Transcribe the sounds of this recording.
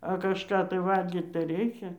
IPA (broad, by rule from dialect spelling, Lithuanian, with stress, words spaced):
ɐ kɐʃˈkɑː tɐɪ ˈʋɐlʲɡʲiːt tɐɪ ˈrʲɛɪkʲɛ